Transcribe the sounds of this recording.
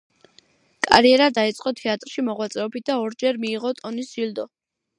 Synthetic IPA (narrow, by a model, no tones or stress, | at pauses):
kʼa̰ɾiɛɾad̪ait̪sʼqʼɔt̪ʰɛat̪ʼɾʃimɔʁwat̪sʼɛɔbit̪̚d̪aɔɾd͡ʒɛɾmiːʁɔt̪ʼɔnisild̪ɔ